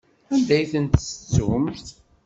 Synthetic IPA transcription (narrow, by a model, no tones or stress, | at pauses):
ænd̪æjθənt̪sə̥t͡sːumθ